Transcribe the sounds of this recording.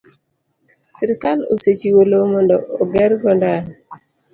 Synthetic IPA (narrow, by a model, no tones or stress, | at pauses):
siɾikalo̰set͡ʃiwolomɔndɔːɡɛɾɡɔndan